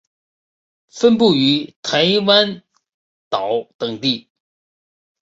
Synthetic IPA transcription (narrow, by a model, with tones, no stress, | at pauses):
fə˥npu˥˩y˧˥t̪ʰa˧˥ɪwa˥n | t̪ɑ˨˩˦ʊt̪ɤ˨˩ŋt̪i˥˩